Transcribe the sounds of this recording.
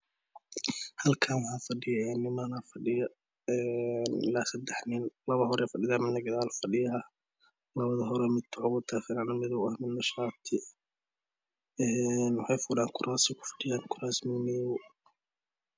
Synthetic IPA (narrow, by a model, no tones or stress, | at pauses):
hɐlkʰaːnwɑħɑːfɐɖɪjɐɛːnɪmɐnɐfɐɖɪjɐ | ɛːnɪlaːsɐd̪ɛħnɪnlɐβɐhɔɾɛfɐɖɪðaːmɪd̪nɐɡɐðaːlfɐɖɪjɐɐ | lɐβɐðɐɦɔɾɛmɪd̪t̪ʰʊʕʊɣʊt̪ʰafɪɾanɐmɪðɔwɐhmɪd̪nɐʃaːt̪ʰɪ | ɛːnwɑħɑjfʊɽaːŋkʰʊɾʔaːsɪkʰʊ̥fɐ̥ɖɪjaːŋkʰʊɾaːsmɪniʊ